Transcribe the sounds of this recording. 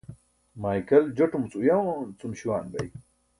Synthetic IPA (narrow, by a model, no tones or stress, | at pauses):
maːjkɐld͡ʑoʈumt͡sujɐwt͡sumɕiwaːnbɐ̰j